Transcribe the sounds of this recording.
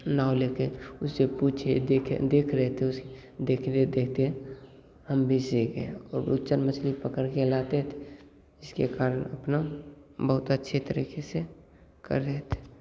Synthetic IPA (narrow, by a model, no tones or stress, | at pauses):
naːwlekeʊsːepuːt͡ʃʰed̪ekʰd̪eːkʰɾɛɦɛt̪ʰeʊsd̪eːk̪ʰed̪eːk̚ʰt̪eɦɛ̃ | həmbʱiseɡeɔ̰ːɾʊ̰tːt͡ʃənmət͡ʃʰlipəkəɾkelaːt̪eɦt̪ʰe | d͡ʒɪskekaːɾənəpnabəɦʊt̪ətːʃʰet̪əɾḭːkese | kə̰ɾːɛɦt̪ʰe̥